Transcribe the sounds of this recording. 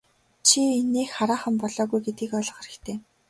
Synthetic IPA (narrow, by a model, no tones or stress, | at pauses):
t͡ɕʰienːeːxχaɾaːχə̆mpɔɮɔːɣujɡet̪ɡiːkɔɮɞ̆χeɾɘ̆kt̪ʰeː